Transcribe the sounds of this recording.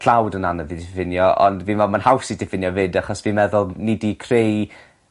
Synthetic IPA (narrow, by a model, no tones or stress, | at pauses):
ɬawdənanəvidɪfɪnjɔʔɔ̰ndviːnvɛmanhawsidɪfɪnjɔvɪdaχɔsvinmɛðʊlˠnɪdikʰrej